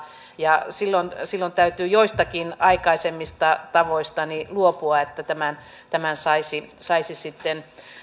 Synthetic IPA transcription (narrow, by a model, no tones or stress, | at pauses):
jɑsilːonsilːont̪æyt̪yːjoist̪ɑkinɑikɑisemːist̪ɑt̪ɑʋoist̪ɑniluopuɑet̪ːæt̪æmæn | t̪æmænsɑisisɑisisit̪ːen